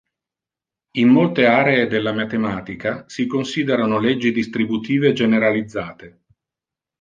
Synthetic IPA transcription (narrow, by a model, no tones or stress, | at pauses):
imːolt̪eaːɾeed̪elːamat̪emaːt̪ikasikonsiːd̪eɾanoled͡ʒːid̪ist̪ɾibut̪iːved͡ʒeneɾalid̪zːaːt̪e